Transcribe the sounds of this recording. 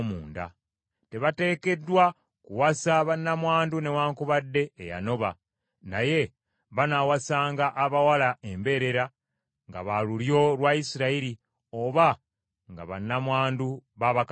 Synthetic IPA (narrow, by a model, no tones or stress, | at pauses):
muːnda̰ | te̞βate̞ːke̞dːwa | kuwasaβanːamwaːndune̞waːŋkuβadːe̞̰ːja̰no̞βa | naje̞ | βanawasaːŋɡaʔːβawalae̞mbe̞ɾe̞ɾa | ŋɡa̰βaluljo̞lwaisiɾaiɾi | o̞βa | ŋɡa̰βa̰nːamwaːnduβaβak